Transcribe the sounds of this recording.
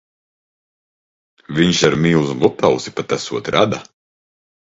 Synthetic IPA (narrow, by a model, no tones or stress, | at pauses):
viɲʃaɾmʲiːwzmut̪awsi̥pat̪asuɔt̪ɾʔad̪a